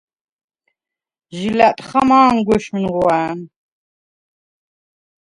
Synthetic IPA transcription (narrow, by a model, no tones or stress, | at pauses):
ʒilæt̪ʼχamaːnɡɔʃmnʁwæːn